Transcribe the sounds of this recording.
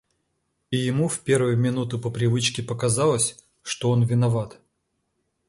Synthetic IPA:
ijɪmufʲpʲe̞rvɨjʊmʲɪnut̪ɨpəpɾʲɪvɨt͡ɕkʲɪpəkɐzalˠəsʲ | ʂt̪oonvʲɪnɐvat̪

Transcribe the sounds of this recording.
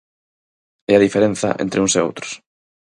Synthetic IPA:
ɛɐðifeɾẽn̟θɐ̰ʔḛnt̪ɾɪuŋseo̰wt̪ɾʊ̥s

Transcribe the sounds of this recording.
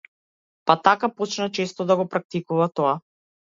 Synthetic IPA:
pat̪akapɔt͡ʃnat͡ʃɛst̪ɔd̪aɡɔpɾak̚t̪ikuvat̪ɔa

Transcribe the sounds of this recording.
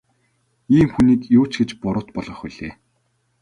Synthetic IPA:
iːmxuniːkjuːt͡ɕɡet͡ɕpʊɾʊ̆ːt̪̚pɔɮʁɞ̆χʊɮeː

